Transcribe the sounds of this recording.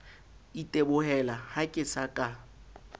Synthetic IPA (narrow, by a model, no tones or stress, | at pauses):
itʼebʊhɛlahakʼɪsakʼa